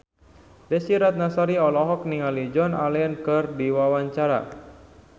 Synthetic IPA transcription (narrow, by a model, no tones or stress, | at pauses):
dɛsiɾat̪̚nasaɾiɔlɔɦɔk̚niŋalid͡ʒɔnalɛənkɨrdiwawaɲt͡ʃaɾa̰